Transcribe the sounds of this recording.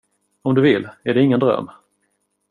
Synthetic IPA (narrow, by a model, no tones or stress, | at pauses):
ɔmd̪ɵvɪlːæɖɛɪŋːənd̪ɾœ̰mː